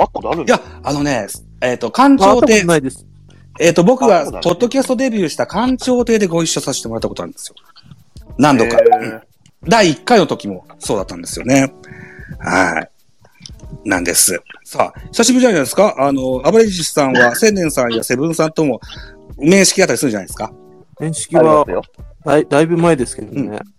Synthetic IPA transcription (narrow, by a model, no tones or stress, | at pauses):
jaano̞ne̞ | eːt̪ːo̞kãɲt͡ɕo̞ːeːid̪es | eːt̪ːo̞bo̞kɯ̟βapo̞d̪ːo̞kʲasɨ̥t̪o̞d̪e̞bʲjɨːɕi̥t̪akʰãɲ̟t͡ɕo̞ːt̪e̞ːd̪eɡo̞iɕːosaɕe̥t̪eo̞ɾat̪ːkotonaɯ̃nd̪esɨjo | nãnd̪o̞kã | d̪aiːkːaino̞t̪o̞kʲimo̞so̞ːd̪at̪ːãnd̪e̞sɨjo̞̰ne̞ | ha̰i | nã̰nd̪e̞̰sɨsa̰ːçi̥saɕ̬ibɯ̟anaiãnd̪sɨ̥kaʔano̞abaɾeʑi̥sãɰ̃βasẽ̞nd̪ẽ̞ɰ̃sãɰ̃jase̞bɯ̟̃ɰ̃sãnt̪o̞mo̞mẽ̞ɰ̃ɕi̥kʲiat̪ːɾisɯɾɯ̟d͡ʑanajd̪esɨ̥kã | ɕkʲia | d̪aibɯ̟maed̪esked̪õḛ